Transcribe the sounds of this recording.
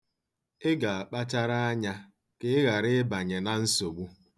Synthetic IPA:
ɪ˦ɡa˨a˨k͡pa˦t͡ʃa˦ɾa˦a˦ɲa˦ | kɪ˦ɪ˦ɣa˨ɾɪ˦ba˨ɲe˨na˦n̩˦so˨ɡ͡bu˦

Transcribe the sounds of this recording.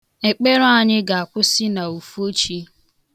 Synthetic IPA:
e˨k͡pe˦ɾʊ˦a˨ɲɪ˦ɡa˨a˨kʷʊ˦sɪ˦na˨u˨fo˦t͡ʃi˦

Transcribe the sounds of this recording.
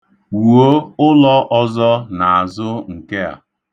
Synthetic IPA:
u˨wo˦ʊ˦lɔ˦ʔɔ˦zɔ˦na˨a˨zʊ˦ŋ̩˨ke˦a̰˨

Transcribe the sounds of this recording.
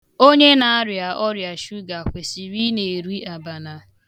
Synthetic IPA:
o˦ɲe˦na˨a˦ɾja˨ʔɔ˦ɾja˨ʃu˦ɡa˨kʷe˨si˨ɾi˦ne˨ɾi˦a˨ba˨na˨

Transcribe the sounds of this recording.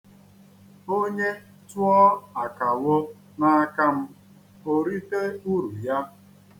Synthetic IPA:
o˦ɲe˦ | tʊ˦ɔ˦a˨ka˨wo˦ | na˦a˦ka˦m̩˦ | o˨ɾi˦te˦u˦ɾu˨ja˦

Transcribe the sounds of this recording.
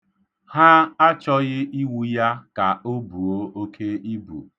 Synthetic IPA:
ha˦a˦t͡ʃɔ˦ɣɪ˦i˦wu˦ja˦ka˨o˦bu˨o˦o˦kʰe˦i˦bṵ˨

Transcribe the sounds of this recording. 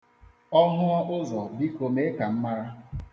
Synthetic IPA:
ɔ˦ɦʊ˦ɔ˦ʔʊ˦zɔ˨bi˦ko˨me˦ka˨m̩˦ma˦ɾa˦

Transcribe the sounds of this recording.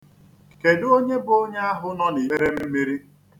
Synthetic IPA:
ke˨do˦ɲe˦bʊ˨o˦ɲe˦a˦ɦʊ˦nɔ˦ne˨e˦ɾe˦me˦mi˦ɾi˦

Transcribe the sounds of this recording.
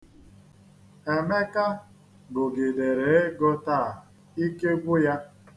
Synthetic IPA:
e˨me˦ka˦ | bʊ˨ɡi˨de˨ɾe˨e˦ɡo˦ta˦˨ | i˦ke˦ɡʷu˦ja˦

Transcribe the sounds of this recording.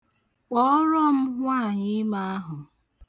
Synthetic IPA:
k͡pɔ˦ɾɔ˦m̩˦ɦʷa˦˨ɲi˦ma˦a˦ɦʊ˨

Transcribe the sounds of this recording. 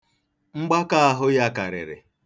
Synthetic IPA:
ŋ͡m̩˦ɡ͡ba˦ka˦a˦˨ɦʊ˦ja˦ka˨ɾḛ˨ɾḛ˨

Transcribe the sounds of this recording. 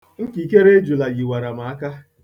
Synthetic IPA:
ŋ̩˦ki˨ke˦ɾe˦d͡ʒu˨la˨ɡi˨wa˨ɾa˨ma˨˦a˦ka˦

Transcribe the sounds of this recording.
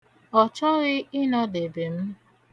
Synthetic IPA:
ɔ˨t͡ʃɔ˦ɣɪ˦ɪ˦nɔ˦de˨be˨m̩˦

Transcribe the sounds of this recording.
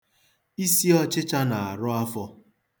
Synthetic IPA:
i˦si˦ɔ˦t͡ʃɪ˦t͡ʃa˦na˨a˨ɾʊ˦a˦fɔ˦

